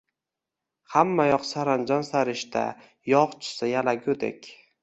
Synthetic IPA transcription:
hamːajɒqsaɾand͡ʒɒnsaɾɪʃt̪a̰ | jɒqt͡ʃʰɪ̥sɪjalaɡʲɵd̪ḛkʲ

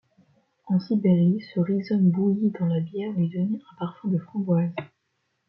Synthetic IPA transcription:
ɑ̃sibeʁisəʁizɔnbujid̪ɑ̃labjɛʁlɥid̪ɔneɛ̃paʁfɛ̃d̪əfχɑ̃ɡwaz

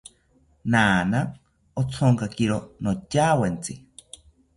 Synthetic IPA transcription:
naːna | ot͡sʰoŋkakiɾonocaːwent͡si

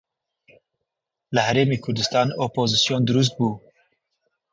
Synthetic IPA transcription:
lɨhɛɾeːmeːkʰʊɾd̪ɨst̪ɑːnoːpoːzɨsjoːnd̪ɨɾus̬t̪̚buː

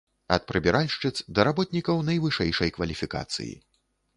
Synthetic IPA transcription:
ɐt̪̚pɾɨbʲɛɾʔalʲʂt͡ʂɨt̪sd̪ɐɾabɔt̪nʲikɐwnɐjvɨʂɛjʂɐjkvɐlʲifʲika̰t̪sɨ̰jḭ

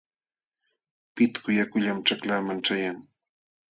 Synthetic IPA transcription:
pɪt̪kʊjakʊʎamʈ͡ʂaklaːmaŋʈ͡ʂajaŋ

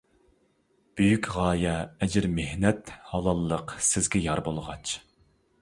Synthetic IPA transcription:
b̥øjykʲʁɑːjɛɛd͡ʒɪɾmehnɛt̪hɑlˠɑlˠːəqsɪzɡʲɛjɑɾbolˠʁɑt͡ʃ

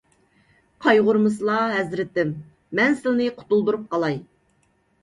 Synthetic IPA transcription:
qʰɑjʁʊɾmɨslˠɑɦɛzɾɪt̪ːɪmː | ɛnsɪlnɨqʰʊ̥t̪ulˠd̪uɾup̚qʰɑlˠɑj

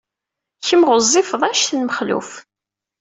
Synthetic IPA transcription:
çəmʁʊzˤːɪfðˤæʃθnməχlṵf

